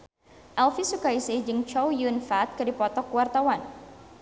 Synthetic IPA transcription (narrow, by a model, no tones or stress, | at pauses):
ʔɛlfisukaisɪhd͡ʒɨŋt͡ʃɔwjunfat̪̚kɨdipɔt̪ɔkuwart̪awan